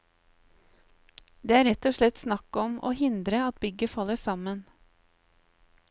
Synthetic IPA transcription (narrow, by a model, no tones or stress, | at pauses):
d̪eːæːɾɛt̪ɔʃɭɛt̪snɑkɔmo̰ːhɪnd̪ɾəɑt̪̚bʏɡəfɑləsɑmən